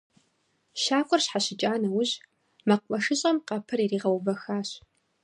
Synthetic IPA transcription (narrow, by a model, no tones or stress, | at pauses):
ʃaːkʷʼɔrɕħaɕɪt͡ʃʼaːnɐwʊʑ | mɐq̚ʷmʼɐʂɨɕʼɐmqɐpʰɨririːʁɐwvɐxaːɕ